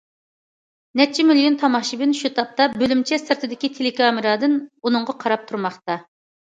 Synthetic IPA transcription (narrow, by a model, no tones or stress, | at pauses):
nɛt͡ʃʰimiljont̪ʰɑmɑʃibɪnʃut̪ʰɑp̚t̪ɑbølymt͡ʃʰɛsɨɾt̪ʰɨd̪ɪkʲit̪ʰelɪkʰɑːmɨɾɑd̪ɨnunɨŋʁɑqʰɑɾɑp̚t̪ʰuɾmɑχt̪ɑ